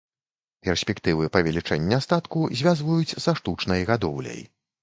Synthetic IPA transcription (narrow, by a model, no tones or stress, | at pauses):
pʲɛrsʲpʲɛkt̪ɨvɨpɐvʲalʲit͡ʂɛnʲːast̪at̪kuzʲvʲazvujut͡sʲzɐʂt̪ut͡ʂnɐjɣad̪ɔwlʲɐ̰j